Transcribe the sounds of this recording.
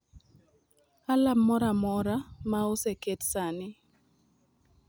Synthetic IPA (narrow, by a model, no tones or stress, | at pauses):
alamːɔɾamɔɾamaoseketsanɪ